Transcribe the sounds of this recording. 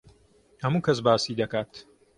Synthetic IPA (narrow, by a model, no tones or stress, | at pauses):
hɐmuːkʰɐs̬baːsiːd̪ɐkaːt̪